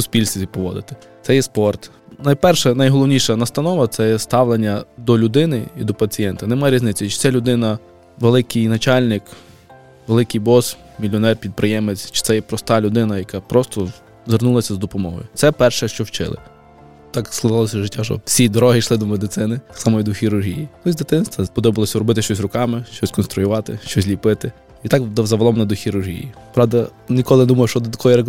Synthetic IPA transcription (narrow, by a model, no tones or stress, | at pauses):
sʊspʲilʲsʲt̪ʲipɔʋɔ̰d̪ɪt̪ɪ̥tsɛjɛspɔrt̪ | nɐjpɛrʃɛnɐjɦɔlˠɔʋwnʲijʃɐnɐst̪ɐnɔʋɐt̪sɛjɛst̪ɑʋlenʲːɐd̪ɔlʲʊd̪ɪnɪḭd̪ɔpɐt͡sʲijɛnt̪ɐnɛmajɛɾʲiznɪt͡sʲːɐt͡ʃɪ̥t̪sɛlʲʊd̪ɪnɐ | ʋelˠɪkɪjnɐt͡ʃɑlʲnɪk | ʋelˠɪkɪjbɔs | mʲilʲɔnɛrpʲid̪̚pɾʔɪjɛmet͡sʲt͡ʃɪ̥sɛjɛpɾɔst̪ɑlʲʊd̪ɪnɐjɐkɑpɾɔst̪ɔ | zernulˠɐsʲɐzd̪ɔpɔmɔɦɔ̰jʊt̪sɛpɛrʃɛʃt͡ʃɔwt͡ʃɪ̰lˠɪ̰ | t̪ɑksklˠɐɦɑlˠɔsʲɐʒɪtʲːaʃɔ̰wsʲid̪ɔɾɔɦɪʃlˠɪd̪ɔmed̪ɪsɪnɪt̪sɑmɔjid̪ʊxʲiɾʊrɦʲijit̪ɔzʲd̪ɪt̪ɪnst̪ʋɐpɔd̪ɔbɪʋlˠɔsʲɐɾɔbɪt̪ɪʃt͡ʃɔsʲrʊkɑmɪʃt͡ʃɔsʲkɔnst̪ɾʊjʊʋɑt̪ɪʃt͡ʃɔsʲlʲipɪt̪ɪ | it̪ɑkd̪ɔzɐʋɐlˠɔmnɛd̪ʊxʲiɾʊrɦʲḭjḭpɾɑwd̪ɐnʲikɔlˠɪnɛd̪umɐjʊʃt͡ʃɔd̪ɔt̪ɐkɔjiɾe